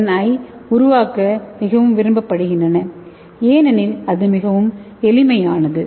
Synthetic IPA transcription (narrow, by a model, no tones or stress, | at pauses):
nɐjʊɾʊʋaːkɐmɪɣɐʋɯmʋɪɾɯmbɐpːɐɽɯɣɪndrɐnɐ | eːnɐnɪlɐðɯmɪɣɐʋɯm | ɛlɪmɐjaːnɐðɯ